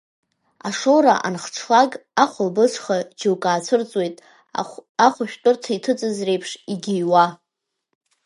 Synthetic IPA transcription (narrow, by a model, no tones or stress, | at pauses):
aʂowɾaʔa̰nχʈ͡ʂʰlaɡʼaχʷʊlbɨsʷʰχad͡ʒʰɪwkʼaːt͡sʷʰɨrt͡sʼwe̞jtʼ | aχʷaʃᶣtʷʼʊrtʰaitʰɨt͡sʼɨzre̞jpʰʂiɡʲijwa